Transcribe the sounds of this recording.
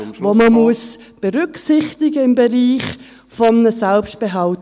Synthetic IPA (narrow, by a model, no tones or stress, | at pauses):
ʋoməmuəsb̥eʁʏksɪχtɪɡəɪmbeʁiːχ | fɔmnəsɛlpst̚b̥eɦɑl